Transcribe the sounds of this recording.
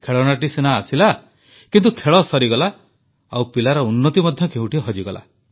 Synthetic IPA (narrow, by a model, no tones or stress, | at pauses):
kʰeɭɔnaʈisenaːsila | kint̪ukʰeɭɔsɔɾiɡɔla | a̰wpilaɾɔunːɔt̪imɔd̪ʱjɔkeũʈiɦɔd͡ʒiɡɔla̰